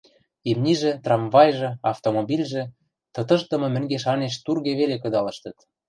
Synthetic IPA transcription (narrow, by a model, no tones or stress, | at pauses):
emniʒĕt̪rɑmvɑjʒɤ̆ɑft̪omobilʲʒĕ | t̪ɤ̆t̪ɤ̆ʃt̪ɤ̆mɤ̆mɘ̆ŋɡeʃɑneʃt̪urɣeβelekɤ̆d̪ɑlɤ̆ʃt̪ɤ̆t̪